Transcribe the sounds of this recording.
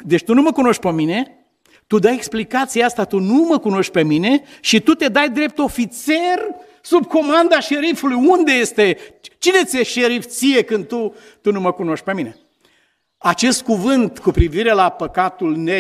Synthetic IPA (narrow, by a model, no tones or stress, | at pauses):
d̪e̞t͡ʃʲt̪unuməkuno̞ʃt̪̚ʲpəmine̞ | t̪ud̪ajeksplikat̪sieast̪at̪unuməkuno̞ʃt̪̚ʲpe̞mine̞ʃit̪ut̪e̞d̪ajd̪ɾe̞p̚t̪o̞fit̪ser | sub̚ko̞mand̪aʃe̞ɾifulujund̪e̞je̞st̪e̞t͡ʃine̞t̪sieʃe̞ɾift̪sije̞kɨnd̪̚t̪u | t̪unuməkuno̞ʃt̪̚ʲpe̞mine̞ | at͡ʃe̞st̪̚kuvɨnt̪kupɾiviɾe̞lapəkat̪ulne